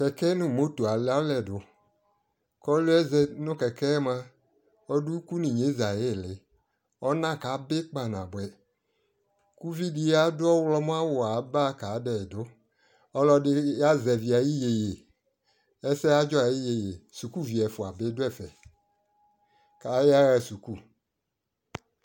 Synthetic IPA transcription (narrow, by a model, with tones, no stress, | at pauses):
kɛ˨kɛ˦nʊ̃˦˨mo˦to˨a˨lɛ˦a˦lɛ˨dʊ˨ | kɔ˦lo˦ɛ˦zɛ˨nʊ̃˦kɛ˨kɛː˦mã˦ | ɔ˦du˦ku˦nĩ˨ɲe˨˦za˨je˦˨lɪ˨ | ɔ˦nã˦˨ka˨˦bɪ˦k͡pa˨n˨ã˨bɛ˨ | ku˦vi˦di˦a˦dʊ˦ɔ˦wlɔ˦m˦a˦wʊ˨a˨˦ba˦ka˨˦dɛ˨dʊ˨˦ | ɔ˦lɔ˦dɪ˦ja˦zɛ˨vi˨a˨ji˦je˨je˨ | ɛ˦sɛ˦a˦d͡ʒɔ˦a˨ji˦je˨je˨su˨ku˦vi˨ɛ˨fʊ˨a˨bɪ˦dʊ˦ɛ˦˨fɛ˨ | ka˨˦ja˦ɣɛ˨su˨ku˦˨